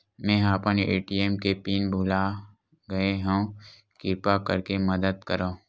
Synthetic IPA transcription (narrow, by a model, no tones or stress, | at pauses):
mɛ̃ːɦaːpənḛːʈiːeːmkepiːnbʱʊːla | ɡɐeɦũ | kɪɾpakɐɾkemɐd̪əd̪̚kəɾã